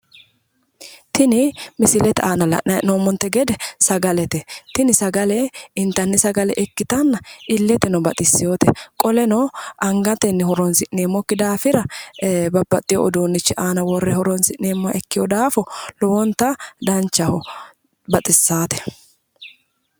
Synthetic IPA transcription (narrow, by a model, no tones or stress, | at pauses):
t̪ʰɪnɪmɪsɪlɛt̪ɛaːnɐlɐ̰ʔnɐʔnoːmːɔnt̪ːɛɡɛd̪ɛsɐɡɐlɛt̪ɛt̪ɪnɪsɐɡɐlɛɪnt̪ːɐnːɪsɐɡɐlɛʔɛkːɪt̪ɐnːɐʔɪlːɛt̪ɛnɔbɐt̪ʼɪsːɪjoːt̪ɛ̰kʼɔlɛnɔʔɐŋɡɐt̪ɛnːɛhɔɾɔnsɪʔneːmːɔkːɪd̪aːfɪɾɐbɐbːɐt̪ʼːɪjɔ̰ʔɔd̪oːnːɪt͡ʃːɪʔaːnɐwɔrːɛhɔɾɔnsɪʔnːeːmːɐʔɛkːɪjɔd̪aːfɔlɔwɔnt̪ːɐd̪ɐnt͡ʃːɐhɔ | bɐt̪ʼɪsːaːt̪ɛ̥